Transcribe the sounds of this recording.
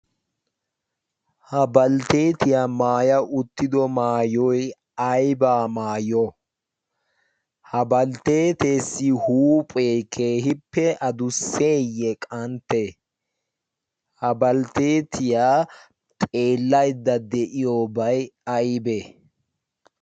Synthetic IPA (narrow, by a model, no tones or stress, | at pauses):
hɐbɐlt̪e̞ːt̪ɪjaːmaːjɐʔʊt̪ːɪd̪ɔmaːjɔj | ɐjbaːmaːjɔ | hɐbɐlt̪eːt̪e̞ːsːɪhuːpʼekʰeːɦɪpːɛʔɐd̪ʊsːe̞ːjːɛkʼɐnt̪ːe | hɐbɐlt̪eːt̪ɪjaː | t̪ʼe̞ːlːɐjd̪ːɐd̪ɛʔɪjoːbɐjɐjbe